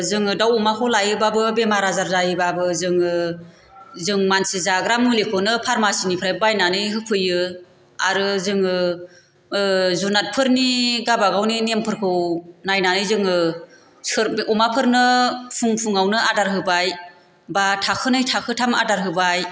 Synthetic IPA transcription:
zɯŋɯdawɔmakʰɯwlajɯbabɯbemaɾazaɾzajɯbabɯzɯŋɯ | zɯŋmansizaɡɾamulekʰɔnɯpʰaɾmasinipʰɾajbajnanɯjɦɯpʰɯjɯ | aɾɯzɯŋɯ | zunat̚pʰɯɾniɡabaɡawninempʰɯɾkʰɯwnajnanɯjzɯŋɯ | sɯɾɔmapʰɯɾnɯpʰuŋpʰuŋawnɯadaɾɦɯbaj | batʰakʰɯnɯjtʰakʰɯtʰama̰daɾɦɯbaj

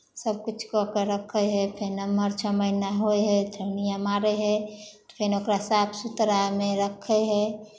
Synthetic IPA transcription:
səb̚kut͡ʃʰkɔkeɾəkʰəɦɛpʰenəməɾt͡ʃʰəməɪnaɦojɦɛd̪ʱənijamaɾɛɦɛt̪ɔ̥pʰenokɾasapʰsut̪ɾameɾəkʰːɛɦɛ

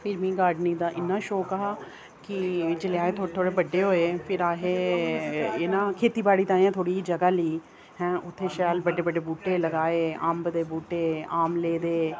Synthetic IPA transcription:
pʰɪɾmĩːɡaːɖniːd̪aːʔɪnːãːʃoːkaːa | kɪd͡ʒelɪjaːeːt̪ʰoːt̪ʰoːɽeːbəɖːeːɦoːeːpʰɪɾaːɦeː | eːnãːkʰeːt̪iːbaːɽiːt̪ãːãt̪ʰoːɽiːd͡ʒəɡaːliː | hɛ̃ːʔʊt̪ʰːeːʃaːlbəɖeːbəɖeːbuːʈeːləɡaːeːəːmbd̪eːbuːʈeːaːmleːd̪eː

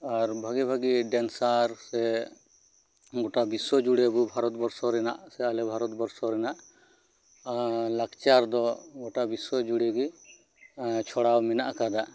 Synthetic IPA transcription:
aɾbʱaɡibʱaɡiɖɛnsaɾsɛ | ɡɔʈabiswɔd͡ʒuɽebubʱaɾɔt̪bɔɾsɔɾɛna̰ʔsɛalɛbʱaɾɔt̪bɔɾsɔɾɛnaʔ | lakt͡ʃaɾd̪ɔɡɔʈabiswɔd͡ʒuɽɛɡi | t͡ʃʰɔɽawmɛna̰ʔkad̪a

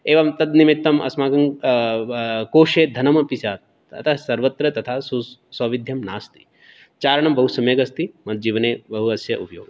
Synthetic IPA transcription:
eːʋɐmt̪ɐd̪nimit̪ːɐmʔɐ̰smaːɡɐŋ | koːʃeːd̪ʱɐnɐmɐpisjaːt̪̚ | ɐ̰t̪ʰasɐɾʋɐt̪ɾɐt̪ɐt̪ʰaːsusɐʋid̪ʱjɐmnaːst̪i̥ | t͡ʃaːɾɐɳɐmbɐɦusɐmjeːɡɐst̪imɐd̪̚d͡ʒiːʋɐneːbɐɦuɐsjɐʔṵpɐjo̰ːɡɐ

